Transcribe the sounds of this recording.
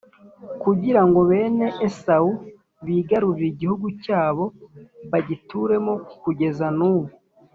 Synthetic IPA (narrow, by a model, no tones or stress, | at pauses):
kuɟiɾaŋɡo̞βe̞ːne̞ʔesau | βiːɡaɾuɾiɟihuɡucaːβo̞βaɟituɾe̞mo̞kuɟe̞zanuːwo